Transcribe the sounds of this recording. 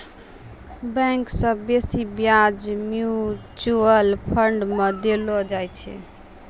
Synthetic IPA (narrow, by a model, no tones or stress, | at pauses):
bɛ̃ŋksə̃besibjad͡ʒmjut͡ʃuəlpʰəɳɖmẽd̪elɔd͡ʒajt͡ʃʰɛ̰